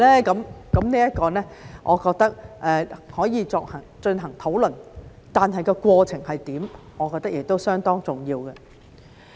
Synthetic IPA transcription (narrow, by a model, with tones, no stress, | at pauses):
lɛː˥kɐ˨˥mkɐ˨˥mniː˥jɐ˥t̚kɔː˧nɛː˥ʔɔː˨˧kɔː˧k̚t̪ɐ˥k̚ʔɛː˨˧hɔː˨˥jiː˨˧t͡sɔː˧k̚hɐ˨˩ŋt͡ʃɵ˧nɦɐ˨˩ŋt̪ʰo˨˥wlɵ˨˩n | t̪aː˨nɦɐ˨˩jkɔː˧kʷɔː˧t͡sʰɪ˨˩ŋhɐ˨jt̪iː˨˥m | ʔɔː˨˧kɔː˧k̚t̪ɐ˥k̚jɪ˨k̚t̪o˥wsœː˥ŋt̪ɔː˥ŋt͡sʊ˨˩ŋjiː˧wkɛ˧